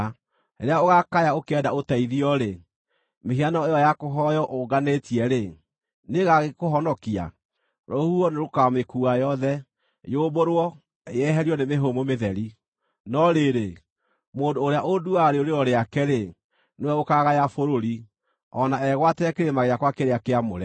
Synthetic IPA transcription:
eɾeaoɣakajaokɛdaotaiðiɔɾe | meɦianɔejɔjakoɦɔjɔʔoɡanetiɛɾe | neɣaɣekoɦɔnɔkia̰ | ɾohuɔneɾokamekuajɔðɛ | joːboɾwɔ | jɛɦɛɾiɔnemeɦomomeðɛɾi | nɔɾeɾe | moːndoːɾeaʔoduaɾeoɾeɾɔɾeakɛɾe | newɛokaɣajafoɾoɾi | ɔnaɛɣwatɛɛkeɾemaɣeakwakeɾeakeamo̰ɾɛ

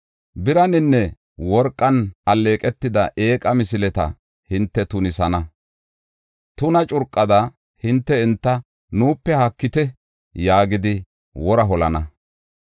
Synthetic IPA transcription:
bɪɾɐnɪnːɛ | wɔɾkʼːɐnɐlːe̞ːkʼɛt̪ːɪd̪ɐʔeːkʼɐmɪsɪlɛt̪ɐ̰ | hɪnt̪ːɛt̪ʊnɪsɐnɐ | t̪ʊnɐt͡ʃʼʊɾkʼːɐd̪ɐ | hɪnt̪ːɛɪnt̪ːɐ | nuːpːɛhɐkːɪt̪ɛ | jaːɡɪd̪ɪ | wɔɾɐɦɔlɐnɐ

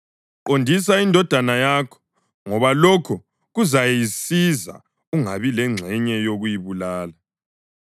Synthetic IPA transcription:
ǃondʱis̬aindʱɔd̥ʱanajakʰɔ̥ | ŋɔβalɔkʰɔ | ɣuzajɛjisiza̰ | uŋaβilɛŋ͡ǁʱɛɲɛjoɣujiβulaːla

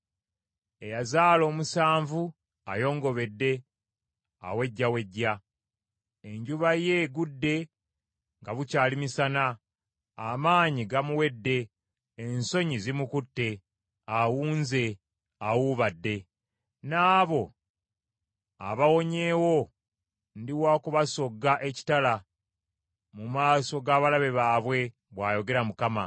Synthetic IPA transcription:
e̞jazaːlo̞ːmusaːɱvu | a̰jo̞ːŋɡo̞βe̞dːe̞ | a̰we̞ɟːawe̞ɟːa | eɲɟuβaje̞ɡudːe̞ | ŋɡaβucaːlimisana | amaːɲiɡamuwe̞dːe̞ː | nso̞ɲizimukutːe̞ | awuːnze̞ | awuβadːe̞ | naːβo̞ | a̰βawo̞ɲe̞ːwo̞ | ndiwaːkuβaso̞ɡːaʔe̞ci̥tala | mumaːso̞ɡaːβalaβe̞βaːβwe̞ | βwaːjo̞ɡe̞ɾamukama̰

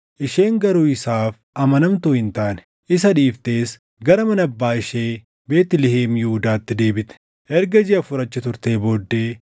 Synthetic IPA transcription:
ʔɪʃe̞ːŋɡɐɾuːɪsaːf | ɐmɐnɐmt̪uːhɪnt̪aːn | ʔɪsɐᶑiːft̪e̞ːs | ɡɐɾɐmɐnɐbːaːɪʃeː | be̞ːt̪ɪlɪheːmjʊhʊd̪aːt̪ːɪd̪e̞ːbɪt̪ɛ̥ | ʔɛɾɡɐd͡ʒɪʔɐfʊɾɐt͡ʃːɐt̪ʊɾt̪e̞ːbo̞ːd̪ːe̞ː

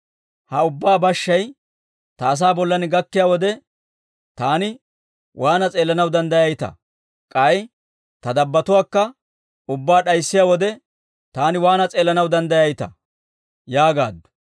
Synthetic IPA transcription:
hɐʊbːaːbɐʃːɐj | t̪ɐːs̬aːbɔlːɐnɪɡɐkːɪjaːwɔd̪ɛ | t̪aːnɪ | wʔaːnɐt͡sʼe̞ːlːɐnɐwd̪ɐnd̪ɐjɐjt̪ɐ̰ | kʼɐj | t̪ɐd̪ɐbːɐt̪ʊwaːkːɐ | ʊbːaːɗɐjsːɪjaːwɔd̪ɛ | t̪aːnɪwaːnɐt͡sʼe̞ːlːɐnɐwd̪ɐnd̪ɐjɐjt̪ɐ̰ | jaːɡa̰ːd̪ːʊ̥

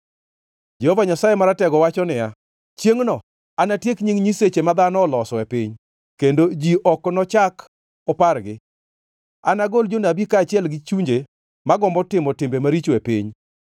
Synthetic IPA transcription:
d͡ʒɛhovaɲasajemaɾatɛɡɔwat͡ʃɔnɪja | t͡ʃjeŋnɔ | anatjekɲiŋɲiset͡ʃemad̪anɔːlɔsɔepɪɲ | kendod͡ʒiʔɔknɔt͡ʃak | ɔparɡɪ | anaɡold͡ʒonabikaːt͡ʃɪɛlɡɪt͡ʃuɲd͡ʒe | maɡɔmbɔtɪmɔtɪmbemaɾit͡ʃwepɪɲ

